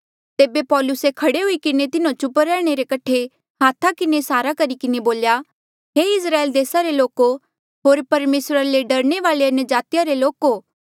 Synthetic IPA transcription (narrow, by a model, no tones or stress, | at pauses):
t̪eːbepɔːlʊsekʰɐɽeɦʊikɪnet̪ɪnõt͡ʃʊpəɾɛːɽ̃eɾekɐʈʰe | haːt̪ʰakɪnesaːɾakɐɾikɪneboːlja | ɦeɪsɾaːeld̪eːsaɾeloːko | ɦoːɾpɐɾmeːsɾaleɖɐɾɽ̃eʋaːleɐnjəd͡ʒaːt̪ijaɾeloːkoː